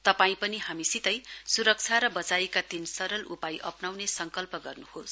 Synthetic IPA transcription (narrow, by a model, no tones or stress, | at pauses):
t̪ʌpaĩpʌniɦamisit̪ʌjsuɾʌk̚t͡sʰaɾʌbʌt͡sajekat̪insʌɾʌlupajʔʌpnawnesʌŋkʌlpʌɡʌrnuhos